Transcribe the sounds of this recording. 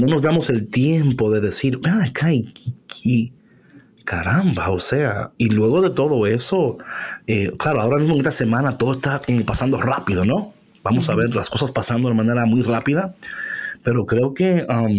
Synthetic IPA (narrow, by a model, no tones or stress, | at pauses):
no̞no̞zd̪amo̞se̞lt̪je̞mpo̞ðe̞ðe̞siɾakʰaikiki | kaɾambao̞se̞ailwe̞ɣo̞ðe̞t̪o̞ðo̞e̞so̞ | eklaɾo̞ao̞ɾamizmoŋest̪ase̞mãnat̪o̞ðoe̞st̪akompasand̪o̞rapiðo̞no̞ | bamo̞saβe̞ɾlasko̞saspasand̪o̞emane̞ɾamujrapiða | pe̞ɾo̞kɾe̞o̞ke̞am